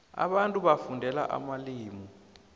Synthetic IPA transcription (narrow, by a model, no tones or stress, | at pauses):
a̰ɓantʼuɓafundʱɛla̰ʔa̰maliːmɔ